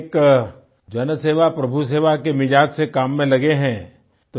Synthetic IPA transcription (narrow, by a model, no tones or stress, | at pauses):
k | d͡ʒɐnseːʋapɾɐbʱus̬eːʋakemɪd͡ʒaːd͡ʒsekaːmːẽlɐɡeɦɛ̃ː | t̪o